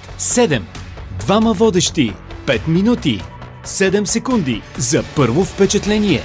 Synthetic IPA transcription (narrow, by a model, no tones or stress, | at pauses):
sɛd̪ɛmd̪vaməvɔd̪ɛʃt̪ipɛt̪minut̪i | sɛd̪ɛmsɛkund̪izɐpɤɾvofpɛt͡ʃɛt̪lɛniɛ̰